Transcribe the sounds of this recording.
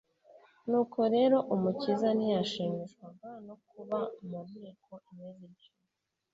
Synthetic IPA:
nuːkʰo̞ɾe̞ɾo̞ʔumucizanijaʃiːmiʃɡwaɡano̞kuβamumŋeːkʰo̞imɲeːzit͡ʃum | i

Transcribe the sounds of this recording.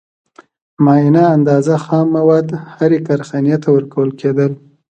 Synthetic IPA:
mɑinaːnd̪ɑzaxɑmːawɑd̪haɾekaɾxanijat̪ʰawəɾkawəlkʰed̪əl

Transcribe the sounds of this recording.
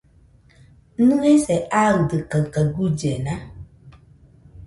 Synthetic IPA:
nũesɛʔaɣdɨkəkəɡud͡ʒɛnã

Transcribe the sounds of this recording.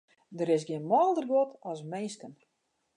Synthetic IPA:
dəɾɪs̬ɡjɪənmɔːlˠdərɡotɔsmeːskən

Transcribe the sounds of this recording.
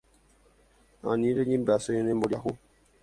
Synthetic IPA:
a̰niɾeɲinbasojenemboɾjaku

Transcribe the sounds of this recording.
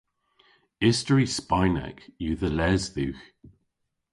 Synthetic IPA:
ɪstəɹispaɪnɛ̰kjuːðəlɛzðʉx

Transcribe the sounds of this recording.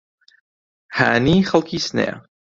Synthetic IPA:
ha̰ːniχɑlˠkʰisnɛ̰

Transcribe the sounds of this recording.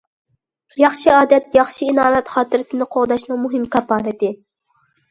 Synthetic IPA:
jɑχʃiɑːd̪ɛt̪̚jɑχʃiinɑːɾɛt̪χɑːt̪ʰɨɾɪsɪnɪqʰoʁd̪ɑʃnɨŋmuɦɪmkʰɑpːɑːnɨt̪ɪ

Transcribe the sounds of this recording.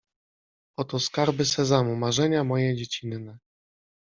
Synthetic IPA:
ɔt̪ɔskaɾbɘsɛzamumaʐɛɲamɔjɛd͡ʑet͡ɕinːɛ

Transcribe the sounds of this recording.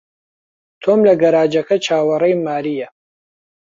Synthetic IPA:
t̪ʰoːmlɐɡɐɾaːd͡ʒɐkɐt͡ʃʰaːwɐrejmaːɾijɐ

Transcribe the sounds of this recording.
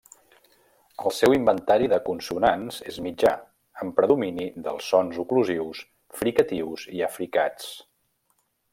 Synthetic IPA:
əlˠsɛwimbənt̪aɾiðəkunsunanzezmid͡ʒa | əmpɾəðuminiðəlˠsːɔnzukluziws | fɾikət̪iwziəfɾikat͡s

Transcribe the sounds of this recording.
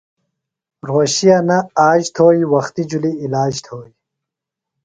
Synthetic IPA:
ɾoːɕijanɐaːʑt̪ʰoːjiwɐxt̪id͡ʑuliːlaːd͡ʑt̪ʰoːi

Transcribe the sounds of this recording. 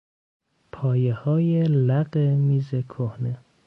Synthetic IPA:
pʰɒːjehɒːjelæɢemiːzekʰohne

